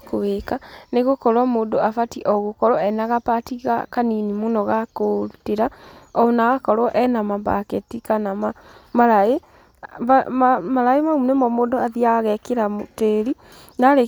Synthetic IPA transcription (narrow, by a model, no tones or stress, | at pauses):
kowekaneɣokɔɾwamoːdoafatiʔɔɣokɔɾwɔɛnaɣapatiɣa̰kaninimonɔɣakoteɾaɔnaɣakɔɾwɔʔɛnamamba̰kɛtikanamamaɾae | amamaɾaemaunɛmɔmoːdoaðiaaɣɛkeɾamoteɾi | naɾe